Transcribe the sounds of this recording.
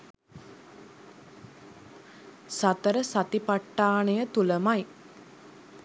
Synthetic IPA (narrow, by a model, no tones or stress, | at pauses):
sat̪əɾəsat̪ipaʈːaːɳejət̪uləmaj